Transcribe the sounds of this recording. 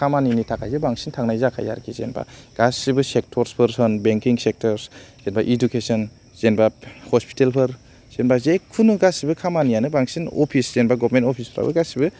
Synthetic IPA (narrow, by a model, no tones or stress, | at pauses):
kʰamaninitʰakʰajzebaŋsintʰaŋnajzakʰa̰ja̰ɾkʰizḛnba̰ɡ̥asibɯsek̚tʰɔɾspʰɯɾsɔnbeŋkiŋsek̚tʰɔɾsz̥enbaʔidukesɔn | z̥enbahɔspi̥telpʰɯɾ | z̥enbazekʰunɯɡasibɯkʰamanijanɯbaŋsinɔ̰pʰisz̥enbaɡɔbmentɔpʰispʰɯɾa̰bɯ̰ɡasibɯ